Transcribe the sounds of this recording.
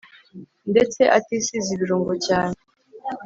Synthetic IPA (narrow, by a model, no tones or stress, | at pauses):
nde̞t͡se̞ʔatisiziβiɾoːŋɡocaːne